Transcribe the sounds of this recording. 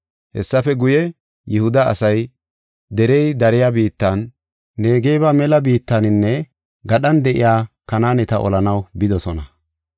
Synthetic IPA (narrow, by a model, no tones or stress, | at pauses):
hɛsːɐfɛɡʊjɛ | jɪhʊd̪ɐ̰ːsɐj | d̪ɛɾɛjd̪ɐɾɪjabiːt̪ːɐn | ne̞ːɡejbamɛlɐbiːt̪ːɐnɪnːɛ | ɡɐɗɐnd̪ɛʔɪ̰jaːkɐnaːnɛt̪ɐʔɔ̰lɐnɐwbɪd̪ɔsɔnɐ